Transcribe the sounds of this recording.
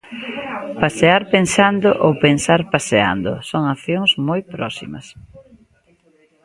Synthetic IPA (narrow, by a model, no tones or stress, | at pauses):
paseaɾpensand̪oʔowpensaɾpasea̰nd̪ʊ̰soŋaθjoŋsmojpɾɔsḭmɐ̰s